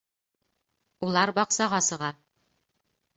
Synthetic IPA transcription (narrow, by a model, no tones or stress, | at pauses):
ulˠɑɾbɒqsɑʁɑsɤ̆ʁɑ